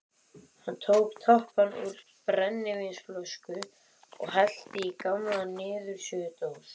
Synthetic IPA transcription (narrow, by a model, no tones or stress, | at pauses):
hant̪ʰoːwkt̪ʰɔhpanṵɾ | pɾɛnːɪvensfloskʏ | ɔ̰ɣhal̥t̪ɪikamlanɪːðʏɾ̥sjʏːʏt̪oːws